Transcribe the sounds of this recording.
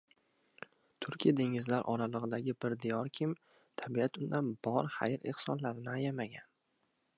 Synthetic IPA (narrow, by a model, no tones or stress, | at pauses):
t̪ʰʊɾkʲijad̪e̞ŋɪzlaɾʔɒɾalˠɨʁɨd̪aɡʲɪbɪɾd̪ɪjɒɾkʲʰɪm | t̪ʰabiat̪ʊnd̪anbɒɾha̰jɪɾehsɒnlaɾɪnɪajamaɡʲan